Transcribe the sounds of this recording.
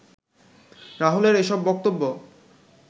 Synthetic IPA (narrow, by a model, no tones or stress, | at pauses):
ɾaɦoleɾeʃɔbːɔk̚t̪obːo